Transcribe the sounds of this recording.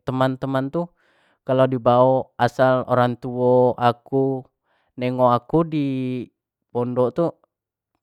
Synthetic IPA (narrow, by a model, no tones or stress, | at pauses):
t̪əmant̪əmant̪u | kalodibaoasalo̰ɾaŋt̪uɔaku | nɛŋɔakudi | bɔndɔt̪u